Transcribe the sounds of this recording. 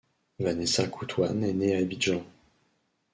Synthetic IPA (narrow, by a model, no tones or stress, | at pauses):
vanɛsakʰut̪ʰwanɛneabiʒɑ̃